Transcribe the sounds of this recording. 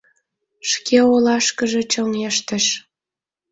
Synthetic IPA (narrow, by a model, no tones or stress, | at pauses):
ʃkeolɑʃkəʒĕt͡ɕəlneʃt̪ə̆ʃ